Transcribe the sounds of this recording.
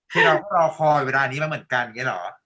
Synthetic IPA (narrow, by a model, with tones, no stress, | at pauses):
kʰɯː˧ɾa˧wkɔː˥˩ɾa˧wkʰɔː˧weː˧laː˧niː˦˥ma˧˩mɯ˩˦ə˦nka˧n˧ŋːa˦˥lɔ̰ː˩˦